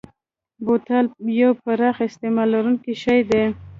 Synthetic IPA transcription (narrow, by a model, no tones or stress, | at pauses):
bot̪aljawpaɾɑxɪst̪emɑlːaɾuŋkiʃajd̪e